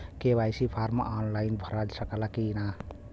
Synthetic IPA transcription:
kebajsipʰaɾma̰ʔanlajnbʱəɾad͡ʒsəkəlakina

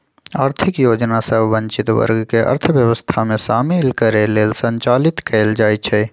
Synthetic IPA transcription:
aːɾt̪ʰɪkjoːd͡ʒnasəbʱʋə̃ɲt͡ʃɪt̪ʋə̰ɾɡkeʔə̰ɾt̪ʰəʋjəwəst̪ʰamẽʃaːmɪlkəɾeleːlsə̃nt͡ʃaːlɪt̪kɛːld͡ʒaːjt͡ʃʰɛ

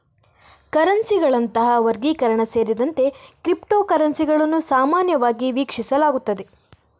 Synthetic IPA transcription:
kɐɾɐnsiɡɐɭɐnt̪ɐɦɐʋɐɾɡiːkɐɾɐɳɐse̞ːɾid̪ɐnt̪e̞kɾipʈoːkɐɾɐnsiɡɐɭɐnːusaːmaːnjɐʋaːɡiʋiːkʂisɐlaːɡut̪ːɐd̪e̞

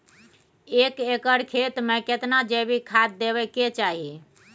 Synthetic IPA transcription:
ekekəɾkʰet̪meket̪nad͡ʒebikʰad̪̚ːebɛket͡ʃaɦi

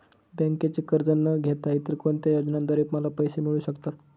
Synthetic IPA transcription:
bə̃ŋket͡ɕikəɾd͡zənːəɡʱet̪ait̪iɾkoɳt̪jajod͡znãnd̪əɾiːpməlapəjsemiɭuːɕəkt̪at̪

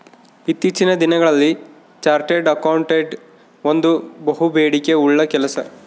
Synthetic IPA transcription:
it̪ːit͡ʃinɐd̪inɐɡɐɭɐlːi | t͡ʃaːɾʈeɖɐkɐwɳʈeɖ | ond̪ubɐɦubeːɽike̞uɭːɐkɛlɐsɐ

